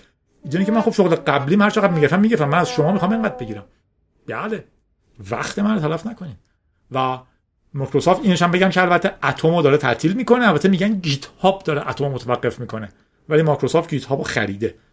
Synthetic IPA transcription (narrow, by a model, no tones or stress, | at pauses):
iːd̪eincʰemænxobʃoɣleɢæbliːmhæɾt͡ʃʰeæd̪miːɟefæmːiɟeft̪æmːænæz̥ʃomɒːmixɒːmeŋɢæd̪̚beɟiːɾæm | b̥æle | væ̰xt̪ʰemænɾot̪ʰælæfnækʰoniːd | væ | mɒkʰɾosoft̪iːneʃæmbeɟæmcʰeælbæt̪ʰːeæt̪ʰomod̪ɒːɾet̪ʰæ̰ʔt̪ʰiːlmiːko̞neælbæt̪ʰːemiːɟænɟit̪ʰhɒbd̪ɒːɾeʔæt̪ʰommot̪ʰævæɡːefmiːkʰo̞ne | væliːmɒkɾosoft̪̚ɟiːt̪hɒːboxæ̰ɾiːd̪e̞